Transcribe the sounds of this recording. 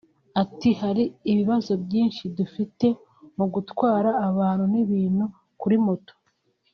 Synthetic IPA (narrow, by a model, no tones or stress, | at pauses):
atihaɾiːβiβazo̞bjiːnʃidufite̞ | muɡutkwaːɾaːβaːnhuniβiːn̥hu | kuɾimuto̥